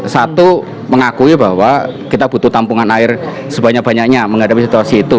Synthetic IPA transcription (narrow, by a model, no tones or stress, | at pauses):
sat̪u | məŋakuibaɦwakit̪abut̪ut̪ampuŋanaɪr | səbaɲak̚b̥aɲak̚ɲaməŋadapisit̪uasiːt̪u